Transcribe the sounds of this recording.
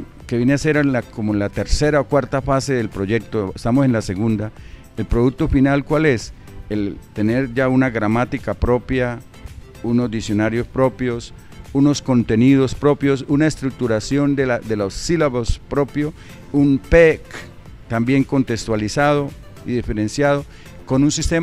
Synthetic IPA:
keβje̞nease̞ɾnlakomoenlat̪e̞ɾse̞ɾaokwaɾt̪afase̞ðe̞lpɾo̞ʝe̞k̚t̪oest̪amose̞nlase̞ɣund̪a | elpɾoðuk̚t̪o̞finalkwale̞s | elt̪e̞ne̞ɾd͡ʒaunaɣɾamat̪ikapɾo̞pja | uno̞zd̪isjo̞naɾjo̞spɾo̞pjo̞s | uno̞sko̞nt̪e̞nið̞o̞spɾo̞pjo̞sunaest̪ɾuk̚t̪uɾasjo̞nd̪elad̪e̞losːilaβospɾo̞pjo̞ | umpek | t̪ambje̞ŋko̞nt̪e̞kst̪walisað̞o̞ | iðife̞ɾensjaðo | ko̞nunsist̪e

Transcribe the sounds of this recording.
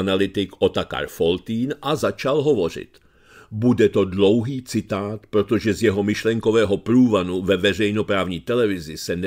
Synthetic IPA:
nalɪt̪ɪkʔot̪aka̰ɾfolt̪iːnʔazat͡ʃalɦovo̞r̝ɪ̰t̪ | budɛt̪o̞dlo̞wɦiːt͡sɪt̪aːt̪pɾo̞t̪o̞ʒɛzjɛɦo̞mɪʃlɛŋkovɛːɦo̞pɾuːvanuvɛvɛr̝ɛjnopɾaːvɲiːt̪ɛlɛvɪzɪsɛn

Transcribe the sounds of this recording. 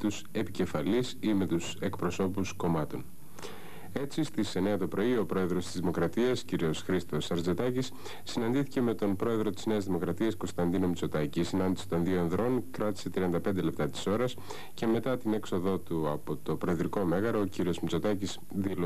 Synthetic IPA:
t̪use̞pice̞fɐlisime̞t̪use̞kpɾo̞so̞pusko̞mɐt̪o̞n | e̞t͡sist̪ise̞ne̞ɐt̪o̞pɾo̞io̞pɾo̞e̞ðɾo̞st̪izðimo̞kɾɐt̪iɐsciɾio̞sxɾist̪o̞sɐɾzd͡ze̞t̪ɐcisː | inɐnd̪iθice̞me̞t̪o̞npɾo̞e̞ðɾo̞t̪i̥zne̞ɐzðimo̞kɾɐt̪iɐsko̞st̪ɐnd̪ino̞mit͡so̞t̪ɐcisinɐnd̪isi̥t̪o̞nðioenðɾo̞nkɾɐt̪i̥se̞t̪ɾiɐnd̪ɐpend̪e̞le̞p̚t̪ɐt̪i̥so̞ɾɐs | ce̞me̞t̪ɐt̪ine̞kso̞ðo̞t̪uɐpo̞t̪o̞pɾo̞eðɾiko̞me̞ɣɐɾoociɾio̞zmit͡so̞t̪ɐcis | ðilo

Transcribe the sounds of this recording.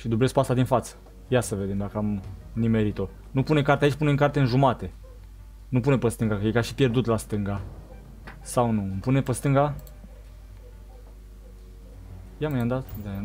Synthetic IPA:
ʃid̪uble̞sk̚past̪ad̪infat̪sə̥ | jasəved̪e̞md̪akəamnime̞ɾit̪o | nupunekart̪eait͡ʃʲpuneŋkart̪e̞ɨnʒumat̪e̞ | nupunepəst̪ɨŋɡakəjekaʃi̥pje̞rd̪ut̪last̪ɨŋɡa | sawnumpune̞pəst̪ɨŋɡa | jamajand̪at̪d̪a

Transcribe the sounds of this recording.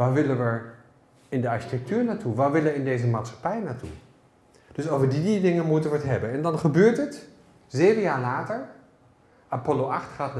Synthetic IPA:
ʋaːʋɪlənʋə | ɪndəɑɹʃi̥tɛk̚tyːɹnatuʋaːʋɪləɪndejzəmaːtsχḁpɛjənatṵ | d̥ɵsowvəɹdididɪŋənmutənʋəətɦɛbənɛndɑnχəbøːɹtət | zejvənjaːɹlaːtəɹ | ʔapɔloʔɑχtχaːtn

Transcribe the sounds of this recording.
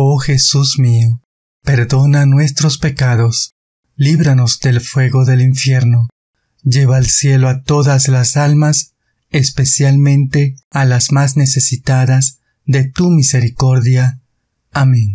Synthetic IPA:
o̞xe̞susmio | pe̞ɾðo̞nanwe̞st̪ɾo̞spe̞kaðo̞s | liβɾano̞zd̪e̞lfwe̞ɣo̞ðe̞liɱfje̞ɾno | d͡ʒe̞βaelsje̞loat̪o̞ðazlasalmas | espe̞sjalmẽ̞nt̪e̞alazmazne̞se̞sit̪aðaz | ðe̞t̪umise̞ɾiko̞ɾðjaː | mẽn

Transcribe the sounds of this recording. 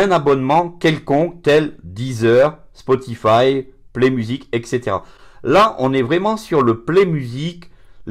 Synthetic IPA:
ɛ̃nabɔnmɑ̃kʲɛlkɔ̃k̚t̪ɛld̪izœʁspɔt̪ifajplemyzikɛkset̪eʁa̰ | laʔɔ̃nɛvʁɛmɑ̃syʁləplɛmyzik

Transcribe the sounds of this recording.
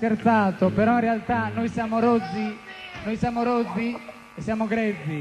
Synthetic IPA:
keɾt̪aːt̪opɛɾɔinrɛalt̪anːojsjamoɾɔd̪zːinojsjamoɾɔd̪zːi | ɛsːjamoɡɾɛd̪zːi

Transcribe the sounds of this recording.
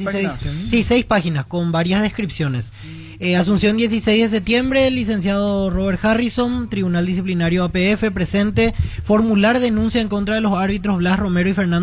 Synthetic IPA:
sisejspaxinasko̞mbaɾjazðe̞skɾipsjo̞ne̞s | eas̬umsjo̞nd̪je̞s̬ise̞jzðe̞s̬ep̚t̪jembɾe̞lis̬e̞ns̬jaðoro̞βeɾxariso̞nt̪ɾiβunald̪is̬iplinaɾjoapeefe̞pɾe̞se̞nt̪e̞fo̞ɾmulaɾðe̞nũnsjaeŋko̞nt̪ɾaðe̞losaɾβit̪ɾo̞zβlasro̞me̞ɾoife̞ɾnãn

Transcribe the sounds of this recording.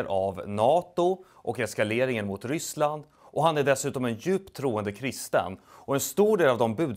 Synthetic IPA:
ɾʔavnɑːt̪ʊ | ʔɔkɛskaleːɾɪŋənmʊt̪ɾʏsland̪ | ʔɔɦanæɖɛsʉ̟ːt̪ɔmɛnjʉ̟ːpt̪ʰːɾuːənd̪əkʰɾɪst̪ə̰nɔɛnst̪uːɖeːlavd̪ɔmbʉ̟ːd̪

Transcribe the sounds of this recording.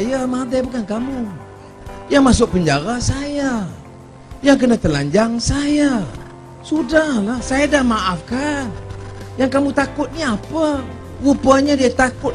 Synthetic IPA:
jamat̪ajpəkankamu | jaŋmasʊk̚pəɲd͡ʒaɾasaja | jaŋk̬ənat̪əlaɲd͡ʒaŋsaja | sudahlahsajadahmaʔafkanjaŋkamut̪akʊt̪̚niapə | upaɲadiat̪akʊt̪̚

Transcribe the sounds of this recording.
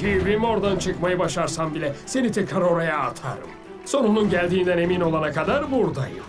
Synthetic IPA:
ɡibimo̞ɾd̪ant͡ʃʰɯkmajɯbaʃaɾsambilʲɛse̞nit̪ʰɛkɾaɾo̞ɾajaːt̪ʰa̰ːɾɯ̰m | so̞nonunɟæɾd̪iːnd̪æne̞mino̞lˠanakʰad̪aɾbuɾd̪a̰jɯ̰m

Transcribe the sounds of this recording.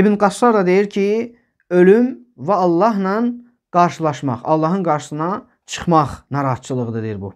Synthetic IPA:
ibinɡɑsɑɾd̪ɑd̪e̞jiɾcʰi | ø̞lym | væːlˠːɑɦnɑn | ɡ̥ɑɾʃɯlˠɑʃmɑ̰χɑ̰lˠːɑɦɯnɡɑɾʃɯ̥sɯnɑ | t͡ʃʰɯ̥χmɑχnɑɾɑɦɑt̪̚t͡ʃʰɯlˠɯʁɯd̪ɯd̪ejiɾbṵ

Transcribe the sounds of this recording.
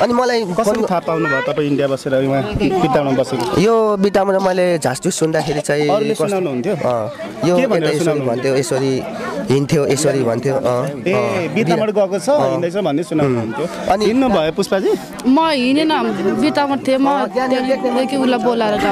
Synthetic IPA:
ʌnimʌlajkʌkʌitʰapawnubʱʌet̪ʌpaj̃iɳɖijabʌseɾʌuwãb̥iʈːawɽabʌseɾojobiʈamʌɾʌmʌled͡zʱasʈissund̪akʰeɾit͡sãĩʌlekʌunawnuɦunt̪ʰjoʌ̃ | joebʱʌeeɾasesnoɾibʱʌnt̪ʰjoesʌɾi | ɦint̪ʰjoʔesʌɾibʱʌnt̪ʰjoʔʌ̃ẽbiʈiamʌɽɡʌkot͡sʰʌ̃ĩnnd̪ʌjt͡sʰʌbʱʌnːesunawnuɦunt̪ʰjo | ʌniinːubʱʌjopuspad͡zi | mʌɦinenʌbiʈamʌt̪ʰiemʌt̪jãnalekʰned̪ekiulabolaeɾʌɡa

